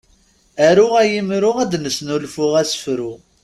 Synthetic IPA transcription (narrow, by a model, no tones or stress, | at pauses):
æɾʊʁæjimɾʊʁæd̪nəsnulfʊʁæsə̥fɾʊ